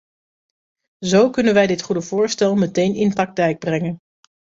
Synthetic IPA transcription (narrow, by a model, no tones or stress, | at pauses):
zowkɵnənʋɛjdɪtχudəv̥ʊːɹstɛlˠmətejnɪnprɑk̚tɛjɡ̚brɛŋən